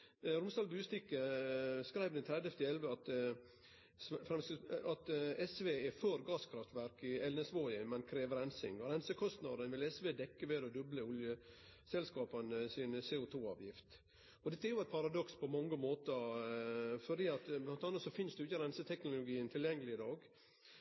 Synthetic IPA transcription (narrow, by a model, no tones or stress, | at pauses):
ɾʊmsd̪ɑːlbʉːst̪ɪkːəskɾæɪʋd̪ɛnt̪ʰɾɛd̪əɛft̪ɪɛlʋəɑt̪ | fɾɑnsɑt̪ɛsʋeːɛfœɾɡɑːskʰɾɑft̪ʋæɾkɪɛlnɛsʋoəmɛnkʰɾeːʋəɾɛnsɪ̰ŋɾɛnsəkʰɔst̪nɑd̪ənʋɪlɛsʋeːd̪ɛkːəʋeːd̪ɔd̪œbləʊljə | sɛlskɑːpənəsɪnseːʊt̪ʰuːɑ̰ːʋjɪft̪ | ɔd̪ɛt̪ːəɛɾjʊæɪt̪pʰɑɾɑd̪ɔkspʰɔmɑŋːəmoːt̪əɾ | fɔɖiːɑt̪blɑnt̪ɑnət̪sɔfɪnsd̪ɛjʊɪçːəɾɛnsət̪ʰɛknʊlʊɡiːənt̪ʰɪljɛŋːəlɪɪd̪ɑːɡ